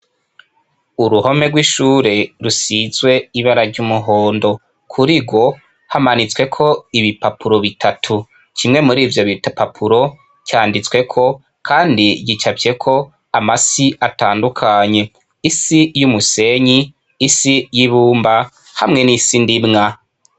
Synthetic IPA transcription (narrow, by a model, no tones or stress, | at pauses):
uɾuho̞me̞ɡwiʃuːɾe̞ɾusizwe̞iβaɾaɾɟumuɦo̞ːndo̞ | kʰuɾiɡwo̞ | hamanit͡swe̞kʰo̞iβipapʰuɾo̞βitʰatʰu | t͡ʃimŋe̞muɾiːvjo̞βitpapʰuɾo̞ | kjaːndit͡swe̞kʰo̞ | kʰaːndiɟit͡ʃabje̞kʰo̞ | amasiataːndukʰaɲe̞ | isijumuse̞ɲiː | sijiβuːmba | hamŋe̞nisindimŋa